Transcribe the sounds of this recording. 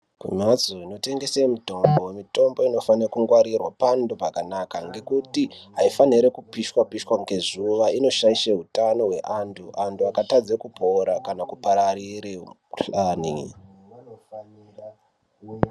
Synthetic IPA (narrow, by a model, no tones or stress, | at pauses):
kṵmad͡zoino̞te̞ŋɡe̞semuto̞mbowe̞mito̞mbo̞ino̞fanrkuŋɡwaɾirwapandopakanakaŋɡe̞kutiɦaifaniɾekupiʃwapiʃwaŋɡe̞zuʋaino̞ʃaiʃeɦutano̞we̞ʔantʰuʔantʰuakatad͡zekupʰo̞ɾakanakupaɾariɾe | ɬaːni